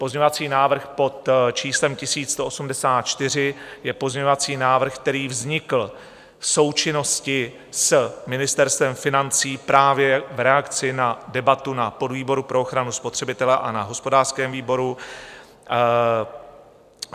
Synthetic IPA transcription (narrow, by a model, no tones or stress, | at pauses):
po̞zɲɲovat͡siːnaːvr̩xpo̞t̪t͡ʃiːslɛmcɪsiːst̪oʔosumdɛsaːt̪̚t͡ʃt̪ɪr̝ɪjɛpozɲɛɲovat͡siːnaːvr̩xk̚t̪ɛɾiːvzɲɪkl̩ | so̞wt͡ʃɪno̞scɪ | smɪnɪst̪ɛɾst̪vɛmfɪnant͡siːpɾaːvjɛvɾɛakt͡sɪnadɛbat̪unapo̞dviːbo̞ɾupɾooxɾanuspo̞t̪r̥ɛbɪt̪ɛlɛʔanaɦo̞spo̞daːr̥skɛːmviːbo̞ɾu